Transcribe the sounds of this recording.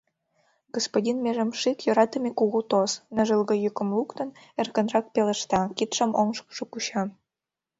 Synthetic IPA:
ɡospodʲinmʲeʒə̆mʃikjŏɾɑt̪ə̆mʲekuɣut̪osnə̆ʒəlɣɤ̆jukə̆mlˠukt̪ə̆n | erkə̆nrɑk̚pelə̆ʃt̪ɑkit̪ʃə̆moŋʃkə̥ʃŏkuɕɑ

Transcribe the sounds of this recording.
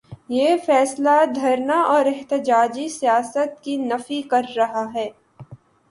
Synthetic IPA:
jeːfɛːslad̪ʱɐɾnaʔɔːɾɛɦt̪ɪd͡ʒaːd͡ʒisijaːsət̪̚kinɐfikɐɾːɐɦaɦɛː

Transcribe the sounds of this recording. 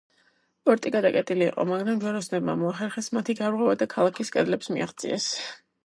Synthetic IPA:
pʼɔɾt̪ʼiɡad̪akʼɛt̪ʼilḭːqʼɔ̰maɡɾamd͡ʒwɛɾɔsnɛbma̰mɔaχɛɾχɛsmat̪ʰiɡaɾʁwɛvad̪akʰalˠakʰiskʼɛd̪lɛpsmia̰χt̪sʼḭɛs

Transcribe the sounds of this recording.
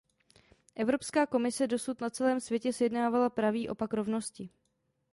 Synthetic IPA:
ʔɛvɾo̞pskaːko̞mɪsɛdo̞sut̪nat͡sɛlɛːmsvjɛcɛsjɛdnaːvalapɾaviːʔo̞pakɾo̞vno̞scɪ

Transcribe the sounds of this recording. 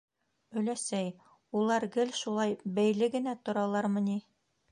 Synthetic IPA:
ɵ̆læsæj | ulˠɑɾɡɘlʃulˠɑjbæjlɘɡɘ̆næt̪ŏɾɑlˠɑɾmɤ̆ni

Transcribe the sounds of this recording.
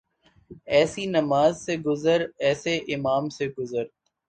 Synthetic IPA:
ɛːsinɐmaːzseɡʊzəɾɛːseʔɪmaːmseɡʊzəɾ

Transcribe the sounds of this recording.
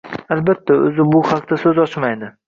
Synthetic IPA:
albat̪ʰːaɵ̰zɪbʊhɑqd̪asɵzɒt͡ʃmajd̪ɪ

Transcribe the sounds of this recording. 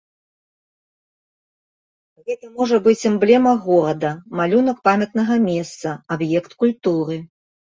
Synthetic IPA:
ɣɛt̪ɐmɔʐɐbɨt͡sʲɨmblʲɛmɐɣɔɾɐd̪ɐmalʲunɐk̚pamʲɐt̪nɐɣɐmʲɛst̪sɐabjɛkt̪kulʲt̪uɾɨ

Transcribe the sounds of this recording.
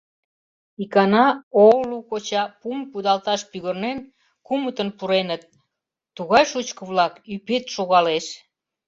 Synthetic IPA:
ikɑnɑolukot͡ɕɑpumkud̪ɑlt̪ɑʃpyɣərnen | kumət̪ənpuɾenət̪̚ː | uɣɑjʃut͡ɕkə̆βlɑkypet̪ʃoɣɑleʃ

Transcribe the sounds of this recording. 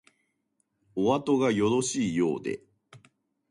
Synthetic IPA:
oβat̪o̞ɡajo̞d̪o̞ɕiːjo̞ːd̪e̞̰

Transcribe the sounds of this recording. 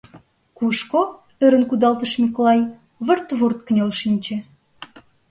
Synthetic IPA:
kuʃko | øɾə̆nkud̪ɑlt̪ə̆ʃmʲikolɑj | βə̆rt̪βurt̪̚kə̆nʲelʃinʲt͡ɕĕ

